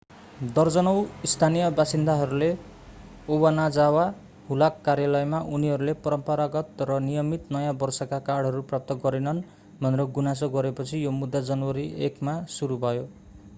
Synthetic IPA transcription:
d̪ʌrd͡zʌnʌwist̪ʰanijʌbasind̪ʱaɦʌɾule | obanad͡zawa | ɦulakːarjalʌjmaʔuniɦʌɾulepʌɾʌmpʌɾaɡʌt̪rʌnijʌmit̪nʌjãbʌrsʌkakaɽʱɦʌɾuprap̚t̪ʌɡʌɾenʌn | bʱʌneɾʌɡunas̬ʌɡʌɾepʌt͡sʰijomud̪ʱːad͡zʌnwʌɾiekmasuɾubʱʌjo

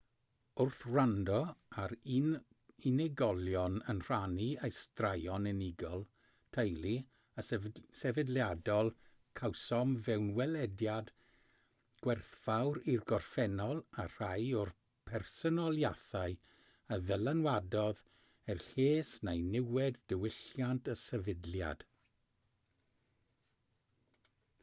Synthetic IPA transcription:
ʊrθrandɔaɾ | inɛɡɔlˠjɔnənr̥aniejstrajɔnəniɡɔlˠ | tʰəjlˠi | əsɛvɛdljadɔlˠ | kʰawsɔmvɛwnwɛlɛdjad | ɡ̥wɛrθv̥awɾirɡɔrfɛnɔlˠar̥ajɔr | pʰɛrsɔnɔlˠjaθaɨ | əðəlˠanwadɔð | ɛrɬeːsnajnɪwɛddəwɪɬjantʰəsɛvɪdlja̰d̥

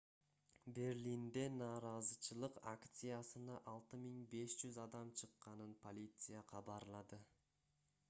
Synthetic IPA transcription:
be̞rlʲind̪enɑːɾɑzɯt͡ʃɯlˠɯqakt̪sɨjasɯnɑʔɑlˠt̪ɯmiŋbe̞sd͡ʒyzɑd̪ɑmt͡ʃʰɯqːɑnɯnpʰo̞lʲit̪sɨjaqʰɑbɑɾlˠɑd̪ɯ

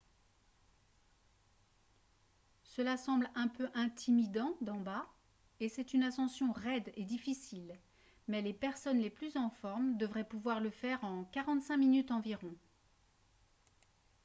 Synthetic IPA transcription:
səlasɑ̃blɛ̃pøʔɛ̃t̪ʰimid̪ɑ̃d̪ɑ̃ba | esɛt̪ynasɑ̃sjɔ̃ʁɛd̪ed̪ifisil | mɛlepɛʁsɔnleplyzɑ̃fɔʁmd̪əvʁɛpuvwaʁləfɛʁɑ̃kaʁɑ̃t̪sɛ̃minyt̪ɑ̃viʁɔ̃

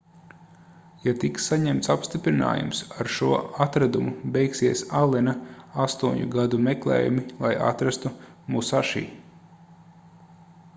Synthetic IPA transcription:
jat̪iksːaɲɛmt̪sapst̪ipɾina̰ːjṵmsaɾʃuɔat̪ɾad̪umubɛjksiɛsalˠɛnaast̪uɔɲuɡad̪umɛklˠɛ̰ːjṵmilˠaja̰t̪ɾast̪umusaʃḭː

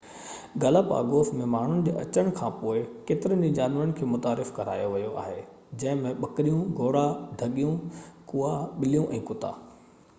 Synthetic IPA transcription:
ɡɐlapa̰ːɡoːsmẽmaːɳ̤ʊnɪ̆d͡ʑḛːʔɐ̰t͡ɕəɽ̃kʰãːpoːɪkeːt̪ɪɾənd͡ʑid͡ʑaːnʋəɾənɪkʰeːmʊt̪aːɾɪfkɐɾa̰ːjoʋɐjoa̰ːɦeː | d͡ʑɐ̃ɦɪ̃mẽɓɐkɪɾijũɡʱoːɽaɖʱɐɠijũkuːaɓɪlijũʔɛ̃ːkʊt̪a̰ː

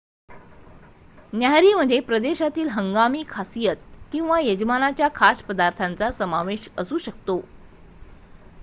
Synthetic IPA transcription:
njaɦɾiːməd̪ʱːjepɾəd̪eɕat̪iːlɦəŋɡamiːkʰasijət̪̚kĩw̃ʋajəd͡ʑmanat͡ɕjakʰaspəd̪aɾt̪ʰant͡sasəmaʋeɕəsuːɕəkt̪o

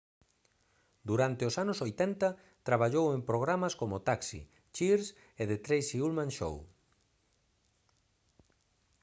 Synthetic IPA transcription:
d̪uɾant̪ɪʊsanʊsojt̪ɛnt̪ɐ | t̪ɾaβ̞aʎowempɾoɣ̞ɾamaskomʊt̪aksḭ | t͡ʃiɾs | eðɪt̪ɾejsiulmãnʃo̰w

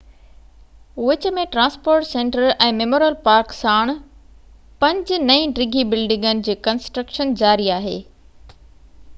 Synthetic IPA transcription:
ʋɪt͡ɕə̆mẽʈɾãːnspoːɾʈsẽːɳʈəɾɛ̃ːmemoːɾjəlpaːɾksaːɽ̃ | pɐ̃ɲd͡ʑnɐĩɖɾɪɡʱibɪlɖɪ̃ŋɡənɪ̆d͡ʑiːkɐnsʈɾəkʃənd͡ʑaːɾiaːɦḛː

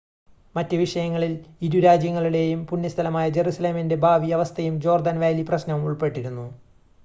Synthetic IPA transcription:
mɐtːɨʋiʂɐjɐŋːɐɭiliɾuɾaːd͡ʑjɐŋːɐɭuɽe̞jumpunːɐst̪ʰɐlɐmaːjɐd͡ʑe̞ɾusɐle̞ːminde̞bʱaːʋiɐʋɐst̪ʰɐjumd͡ʑo̞ːrd̪ɐnʋaːliprɐɕnɐʋumuɭpe̞ʈːiɾunːu

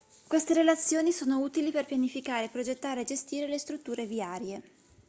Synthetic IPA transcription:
kwest̪eɾelat̪sːjoːnisoːnouːt̪iliperpjanifikaːɾeːpːɾod͡ʒet̪ːaːɾeːd͡ʒest̪iːɾelest̪ɾut̪ːuːɾeviaːɾje

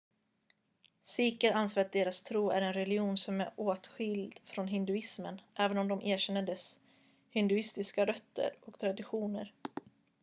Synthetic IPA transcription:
siːkəɾanseat̪̚d̪eːɾast̪ʰɾuːæ̰ɾɛnɾɛlɪuːnsɔmæɾoːt̪ɧɪld̪fɾɔnɦɪnd̪ɵɪsmənʔɛːvənɔmd̪ɔmʔeːɕɛnːəɖɛs | hɪnd̪ɵɪst̪ɪskaɾœt̪ʰːə̰ɾɔkt̪ʰɾad̪ɪɧuːnə̰ɾ

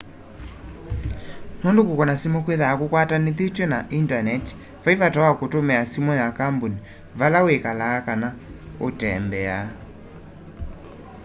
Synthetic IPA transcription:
nɔndokukɔnasimɔkweðakokwataneθetwɛnaʔintanɛti̥ | faivatawakotomɛasimɔjakambuni | valawekalaːkanaotɛmbɛa

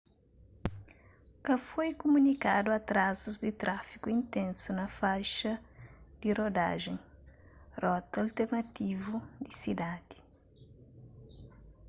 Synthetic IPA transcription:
kɐfojkumunikad̪uɐt̪ɾazuzd̪ɪt̪ɾafi̥kuĩnt̪ɛ̃nsunɐfajʃɐd̪̥irod̪a̰ʒẽŋ | rɔt̪alt̪eɾnɐt̪ivud̪isid̪ad̪i̥

